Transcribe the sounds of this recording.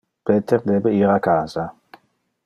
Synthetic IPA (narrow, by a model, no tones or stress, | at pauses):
pʰet̪ʰɛrd̪ɛbɛiːɾakʰaːza